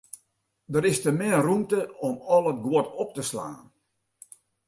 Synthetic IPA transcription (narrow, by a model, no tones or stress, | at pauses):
dəɾɪstəmɪrumtəɔmɔlˠət̚ɡwɔtɔp̚təsla̰ːn